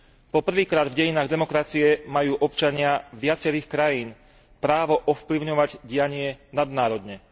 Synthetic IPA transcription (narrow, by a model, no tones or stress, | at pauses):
pɔpr̩ʋiːkɾaːd̪vɟɛjinaːɣd̪ɛmɔkɾat͡siɛmajuːʔɔpt͡ʃaɲɪaʋɪat͡sɛɾiːxkɾajiːn | pɾaːʋɔʔɔfpliʊɲɔʋaɟɟɪjaɲɪɛnad̪naːɾɔd̪ɲɛ